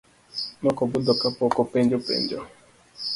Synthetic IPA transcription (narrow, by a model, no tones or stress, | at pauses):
nɔkɔbʊdɔkapɔkɔpɛnd͡ʒɔpɛ̰nd͡ʒɔ